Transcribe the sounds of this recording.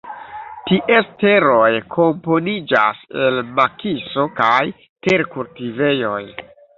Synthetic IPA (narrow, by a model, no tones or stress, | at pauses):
tiʔe̞ste̞ɾo̞jkʰo̞mpo̞nid͡ʒa̰se̞lmakiso̞kaj | teɾkultive̞jo̞j